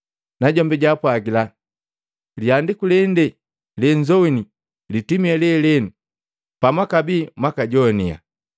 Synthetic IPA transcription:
naɟɔmbɛɟapwaɡila | liandikulɛndɛ | lɛɲd͡ʒɔwini | litimiɛlɛlɛnu | pamwakabiːmwakaɟɔnia̰

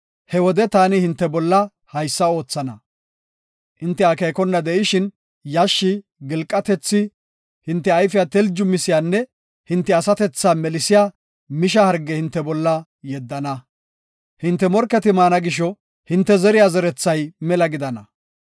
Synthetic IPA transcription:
hɛwɔd̪ɛt̪aːnɪhɪnt̪ːɛbɔlːɐ | hɐjsːɐo̞ːt͡sːɐnɐ | hɪnt̪ːɛɐkejkɔnːɐd̪ɛʔɪʃɪn | jaʃːɪ | ɡɪlkʼːɐt̪ɛt͡sːɪ | hɪnt̪ːɛɐjfɪjat̪ɛld͡ʒʊmɪsɪjaːnːɛ | hɪnt̪ːɛɐsɐt̪ɛt͡sːaːmɛlɪsɪjaː | mɪʃ̬ɐhɐɾɡːɛhɪnt̪ːɛbɔlːɐ | jɛd̪ːɐnɐ | hɪnt̪ːɛmɔɾkːɛt̪ɪmaːnɐɡɪʃ̬ɔ | hɪnt̪ːɛzɛɾɪjaːzɛɾɛt͡sːɐjmɛlɐɡɪd̪ɐnɐ

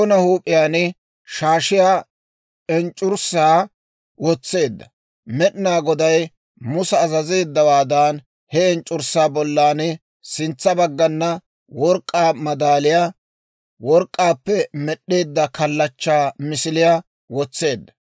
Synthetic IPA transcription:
nɐhuːpʼːɪjaːnɪ | ʃaːʃɪjaː | ɛnt͡ʃʼːʊɾsaː | wɔt͡sːe̞ːd̪ːɐ | mɛɗnaːɡɔd̪ɐj | mʊsɐːzɐze̞ːd̪ːɐwaːd̪aːn | hɛɛnt͡ʃʼʊɾsːaːbɔlːaːnɪ | sɪnt͡sːɐbɐɡːɐnːɐ | wɔɾkʼːaːmɐd̪aːlɪjaː | wɔɾkʼːaːpːɛmɛɗːeːd̪ːɐkɐlːɐt͡ʃːaːmɪsɪlɪjaː | wɔt͡sːe̞ːd̪ːɐ̥

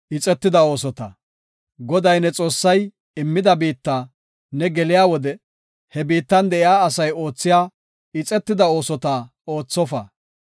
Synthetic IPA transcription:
ʔɪt͡sʼɛt̪ːɪd̪ɐo̞ːsɔt̪ɐ̰ | ɡɔd̪ɐjnɛt͡sʼo̞ːsːɐj | ɪmːɪd̪ɐbiːt̪ːa | nɛɡɛlɪjaːwɔd̪ɛ | hɛbiːt̪ːɐnd̪ɛʔɪjaːɐsɐjo̞ːt͡sːɪjaː | ɪt͡sʼɛt̪ːɪd̪ɐo̞ːsɔt̪a | o̞ːt͡sːɔfɐ̰

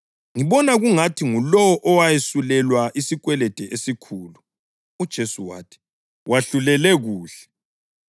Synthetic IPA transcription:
ŋiβɔnaɣuŋatʰiŋulɔwɔʔɔwajesulɛlwaʔisikwɛlɛd̥ʱɛʔesikʰuːlu | ud̥ʒ̥ʱesuwa̰ːtʰi̥ | wʔaɬulɛlɛɣuːɬɛ̥

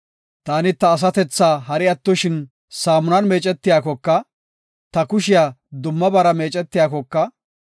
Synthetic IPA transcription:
t̪aːnɪt̪ɐːs̬ɐt̪ɛt͡sːaːɦɐɾɪɐt̪ːʊʃɪn | saːmʊnɐnme̞ːt͡ʃʼɛt̪ːɪjaːkɔkːɐ | t̪ɐkʊʃɪjaːd̪ʊmːɐbɐɾɐme̞ːt͡ʃʼɛt̪ːɪjaːkɔkːɐ

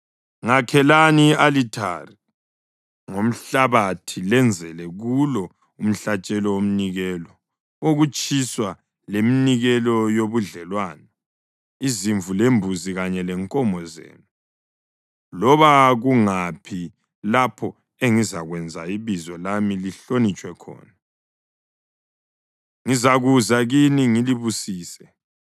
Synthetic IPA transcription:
ŋakʰɛlanialitʰa̰ri | ŋom̩ɬaβatʰilɛnd͡zʱɛlɛɣulɔ | um̩ɬat͡ʃʼɛlɔwom̩niɣɛlɔ | oɣut͡ʃʼiswa | leminiɣɛlɔjoβuɮɛlwanɔ | iziɱvulembʱuziɣaɲɛlɛŋkʼɔmbʱɔzḛːnu | lɔβaɣuŋapʰi | lapʰɔ | eŋizaɣwɛnd͡zʱa̰iβizɔlamiliɬonit͡ʃʼwɛkʰɔ̰ːna | ŋizaɣuzaɣiniŋiliβusiːsɛ

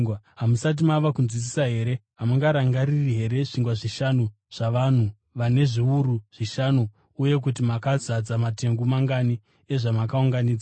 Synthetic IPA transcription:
ɦamusat̬imaʋakunzwit͡si̥saɦe̞ɾe̞ɦamuŋɡaɾaŋɡaɾiriɦe̞ɾe̞ʐiŋɡwaʐiʃanu | ʐ̥aʋan̤u | ʋane̞ʐiuɾuʐ̥iʃanuː | je̞k̬ut̬imakazad͡zamate̞ŋɡumaŋɡani | e̞ʐamakauŋɡaniːd͡za

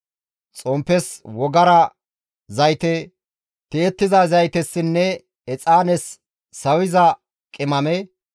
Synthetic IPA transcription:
t͡sʼɔmpːɛswɔɡɐɾɐ | zɐjt̪ɛ | t̪eːt̪ːɪzazɐjt̪ɛsːɪnːɛ | ɛt͡sʼaːnɛsː | ɐwɪzɐ | kʼɪmɐmɛ

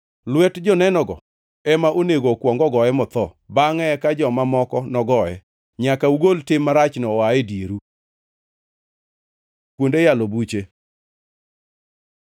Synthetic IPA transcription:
lwɛtd͡ʒɔnɛnɔɡɔ̰ | ɛmaʔoneɡokwɔŋɡɔɡɔɛmɔt̪ɔ | baŋɛkad͡ʒɔmamɔkɔnɔɡɔɛ | ɲakauɡoltɪmːaɾat͡ʃnɔaedjeɾu | kwondejalobut͡ʃe

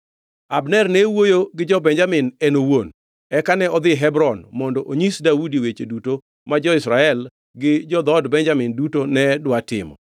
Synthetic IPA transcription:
abnɛrnɛwojoɡɪd͡ʒɔbɛɲd͡ʒamɪnɛnowon | ɛkanɛɔd̪ɪɦɛbɾɔnmɔndɔʔoɲisdaudiwet͡ʃeduto | mad͡ʒɔɪsɾaɛl | ɡɪd͡ʒɔd̪ɔdbɛnd͡ʒamɪndutonɛdwatɪ̰mɔ̰

